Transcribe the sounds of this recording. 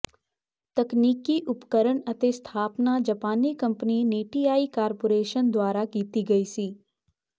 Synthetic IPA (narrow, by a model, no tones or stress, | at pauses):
t̪ɐkniːkːiʔʊpkəɾəɽɐt̪est̪ʰaːpnad͡ʒɐpaːnikɐ̃mpnineːʈiaːikaːɾpoːɾeːʃənd̪waːɾakiːt̪iɡɐiːsiː